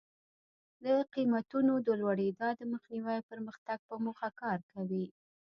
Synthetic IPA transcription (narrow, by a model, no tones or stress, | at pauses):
d̪əqimat̪unod̪əlwaɽid̪ɑd̪əməxniwajpəɾməxt̪aɡ̚pəmoxakɑɾkawi